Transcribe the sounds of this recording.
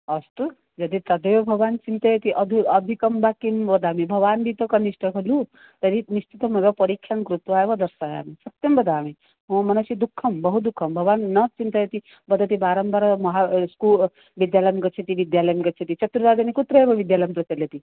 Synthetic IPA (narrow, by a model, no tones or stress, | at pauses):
ɐst̪u | d͡ʒɐd̪it̪ɐd̪ejobʱɐɡʋant͡ʃint̪ɐjet̪iʔɐd̪ʱɐd̪ʱikɐmbakimʋɐd̪aːmibʱɐɡʋanbʱit̪ɔkɐniʃʈʰɐkʰɐlu | t̪ɐɾinist͡ʃʰit̪ɐmɐɡɔpɔɾikʰːjankɾut̪ʋaːjbd̪ɐɾsaja̰ːmisɐt̪jɐmbɐd̪ʱaːmi | ɦõmɐnɐsid̪ukʰːɐmbɐɦud̪ukʰːɐmbʱɐɡʋanːɐt͡ʃint̪ɐjet̪i | bɐd̪ɐt̪ibaːɾɐmbaɾmɐɦaskul | ʋid̪jaləjmkɐt͡ʃʰet̪iʋid̪jaləjmkɐt͡ʃʰet̪it͡ʃʰɐt̪ːɾiʋad̪ɐnikut̪ɾɐebɔʋid̪jaləjmpɾɐt͡ʃeljet̪i